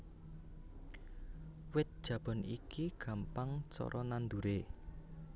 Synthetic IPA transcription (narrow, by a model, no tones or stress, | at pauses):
wɪt̪̚d̥ʒ̥ä̤b̥ɔ̤nḭkiɡ̥ä̤mpaŋt͡ʃɔ̰ɾʔɔnand̪uɾe